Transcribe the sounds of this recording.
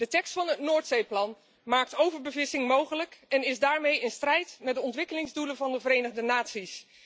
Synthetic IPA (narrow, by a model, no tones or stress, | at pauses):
d̥ətɛkstfɑnətnoːɹtsejplɑn | maːk̚towvəɹbəvɪsɪŋmowχələkɛnɪzdaːɹmejɪnstrɛjtmɛt̚dəɔntʋɪkəlɪŋzdulənvɑndəvəɾejnəʁdənaːtsis